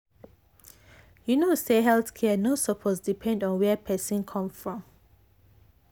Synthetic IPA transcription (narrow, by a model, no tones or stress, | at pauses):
junoseɦɛlθkʰɛənosɔpʰɔsdipʰɛ̃ndɔ̃nwɛpʰɛsɔ̃nkʰɔ̃msfɹɔ̃m